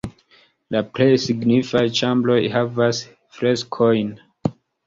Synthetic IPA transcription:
lapɾe̞jsiɡnifajt͡ʃamblo̞jhavas | fɾe̞skʰojn

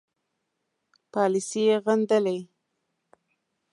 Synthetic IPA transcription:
pɑlisijeɣand̪əlej

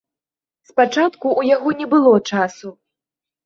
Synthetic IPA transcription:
spat͡ʂat̪kuʔːjaɣɔnʲɛbɨlˠɔt͡ʂasu

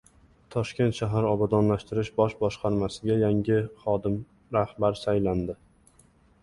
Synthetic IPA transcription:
t̪ʰɒʃkʲe̞nt̪ʃaɦaɾɒbad̪ɒnlaʃt̪ɪɾɪʃbɒʃbɒʃqɑɾmasɪɡʲajaŋʲɪχɒd̪ɪm | ɾahbaɾsajland̪ɪ

